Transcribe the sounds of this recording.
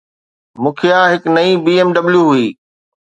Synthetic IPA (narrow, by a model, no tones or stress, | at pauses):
mũːkʰeãɦɪknɐibiːeːmɖɐbljuɦuiː